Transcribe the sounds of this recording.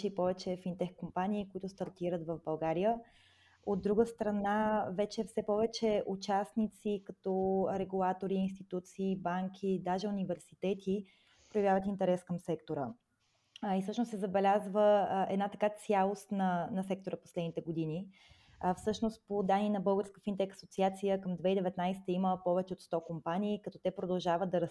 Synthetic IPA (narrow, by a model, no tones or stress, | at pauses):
ɛipɔvɛt͡ʃɛfint̪ɛxkompaniːkoit̪ʊst̪ɐɾt̪iɾət̪vəvbɐlˠɡaɾiə | od̪ːɾuɡəst̪ɾɐnavɛt͡ʃɛfsɛpɔvɛt͡ʃɛʔut͡ʃasnit̪sikɐt̪ɔɾɛɡulˠat̪oɾiːnst̪it̪ut̪siːbaŋkʲʰid̪aʒɛʊnivɛɾsit̪ɛt̪ʰi | pɾojɐvjavət̪int̪ɛɾɛskəmsɛkt̪oɾə | isɤʃnossɛzɐbɛlʲazvəɛ̰d̪nat̪ɐkat̪sʲjalˠost̪nɐnɐsɛk̚t̪oɾəpo̥slɛd̪nit̪ɛɡod̪ini | fsɤʃnost̪pod̪aniːnɐbɤlˠɡəɾskə̥fint̪ɛkɐ̥sot̪siat̪sijəkəmd̪vɛid̪ɛvɛt̪najsɛ̥t̪əiməpɔvɛt͡ʃɛot̪st̪ɔkompanʲiːkɐt̪ɔt̪ɛpɾod̪ɐlˠʒavəd̪̚d̪ɐɾə